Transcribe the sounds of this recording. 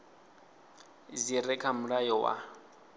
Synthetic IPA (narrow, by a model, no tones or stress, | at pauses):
ziɾɛkʰamuɺajɔwa̰